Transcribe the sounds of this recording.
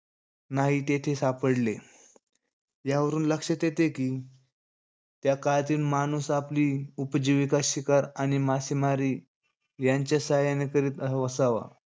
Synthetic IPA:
naɦit̪et̪ʰesapəɽle | jaʋəɾuːnləkʂət̪jet̪ekiː | t̪jakalt̪iːlmanusapliːupd͡ʑiʋikaɕikaɾañimasimaɾiː | jaɲt͡ɕjasajanekəɾiːt̪əʋəsaʋa̰

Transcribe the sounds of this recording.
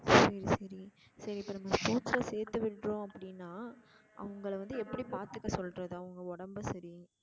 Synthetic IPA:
sɐɾisɐɾi | sɐɾiɪpːɐːnɐmːɐspoːslɐseːɾt̪ːɯʋɪʈːrõːɐpːɐɽɪnːaːʔɐ̰ʋɐŋɡɐɭʋɐnd̪ɯɛpːɐɽipaːɾt̪ɯkːɐsɔlɾɐðɯɐʋɐŋɡɐɔɽɐmbɯsɐɾi

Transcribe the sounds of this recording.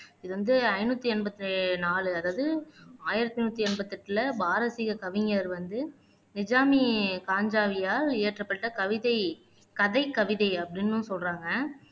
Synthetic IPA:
ɪðɯʋɐnd̪ɯɐɪnuːt̪ːiɛnbɐt̪ːnaːlɯɐðaːʋðɯaːjɪɾɐt̪ːɪnuːt̪ːiɛnbɐt̪ːɪʈːɪlɐbaːɾɐsiɣɐkɐʋɪŋɐɾʋɐnd̪ɯ | nɪd͡ʒaːmikaːɲd͡ʒaːʋɪjaːɾeːʈrɐpːɐʈːɐkɐʋɪðɐɪ | kɐðɐɪkːɐʋɪðɐɪɐpːɐɽɪnːɯ̃sɔlɾaːŋɡɐ

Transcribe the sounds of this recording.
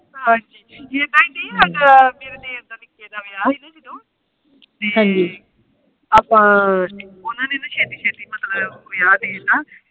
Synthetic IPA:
ɦãːd͡ʒiːjeːt̪ãːĩd̪iːəɡəmeːɾed̪eːɾd̪aːnɪkːeːd̪aːʋɪjaːɦiːnaːd͡ʒəd̪õː | ɦãːɲd͡ʒiː | aːpãː | ʊnãːneːnãːʃʰɛːt̪iːʃʰɛːt̪iːmət̪ləbʋɪjaːd̪eɦeːnaː

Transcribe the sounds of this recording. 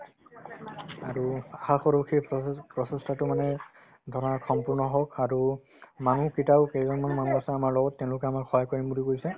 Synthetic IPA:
aɹuaxaxɔɹokʰipɹɔsɔstʰatʊmanɛ | dʱɔɹɔnakʰɔmpuɹnɔɦɔkaɹu | manukitawkejzɔnmanmanuasɛamaɹlɔɡɔtːɛʊ̃lʊkɛamaɹxʰɔjakɔɹimbuɹikoɹisɛ

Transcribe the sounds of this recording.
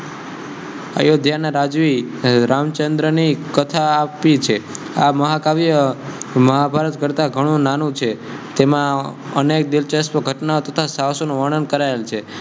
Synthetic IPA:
ə̰jod̪ʱjanaɾad͡ʒʋi | ɾamt͡ʃənd̪ɾənikət̪ʰaːpit͡ʃʰe | aməɦakaʋijəməɦabʱaɾət̪kəɾt̪aɡʱəɽ̃ũnanũt͡ʃʰe | t̪emãənek̚d̪ɪlt͡ʃəspəɡʱəʈnaot̪ət̪ʰasaʋsonũʋəɳ̃ənkəɾaelt͡ʃʰe

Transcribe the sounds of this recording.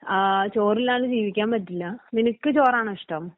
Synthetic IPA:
t͡ɕo̞ːrilaːɳɨd͡ʑiːʋikʲːaːmbɐtːilːɐninukːɨt͡ɕoːɾaːɳiʂʈɐm

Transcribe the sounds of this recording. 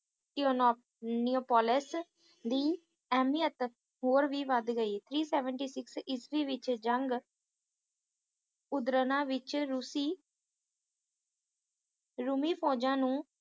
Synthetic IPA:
ʈioːnː | nioːpɔːlɪs | d̪iː | ɛːmiət̪ | ɦoːɾʋiːʋəd̪ɡəiːt̪ʰɾiːsɛːʋəɳʈiːsɪksɪsʋiːʋɪt͡ʃd͡ʒəŋɡ | ʊd̪ɾənãːʋɪt͡ʃɾusiː | ɾumiːpʰɔːd͡ʒãːnũː

